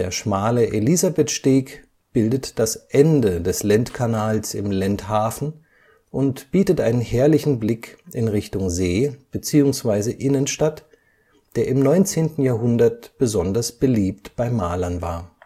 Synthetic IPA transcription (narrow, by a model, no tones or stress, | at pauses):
deːɐʃmaːləʔelizabɛtʃteːk | b̥ɪldətd̥asʔɛndədɛslɛntkʰanaːlsɪ̰mlɛnthaːfn̩ | ʔʊntb̥iːtətʔaɪnənhɛːɐlɪçn̩blɪkʔɪnʁɪçtʊŋzeːb̥ət͡siːʊŋsv̥aɪzəʔɪnənʃtat | d̥eːɐʔɪmnɔʏnt͡seːntn̩jaːɐɦʊndɐt̚b̥əzɔndɐsb̥əliːptb̥aɪmaːlɐnva̰ːɐ